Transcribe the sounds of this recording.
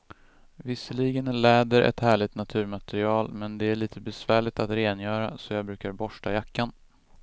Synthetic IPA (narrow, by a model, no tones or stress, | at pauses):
vɪsːəliːɡənlɛːd̪əɾʔɛ̰t̪hæːɭɪɡt̪nat̪ʰʉ̟ːɾmat̪ɛɾɪɑːlmɛnd̪ɛæɭiːt̪ʰəbɛsvæːɭɪt̪at̪ɾeːnjœːɾa̰sɔjɑːɡbɾʉ̟ːkaɾbɔʂʈajakːan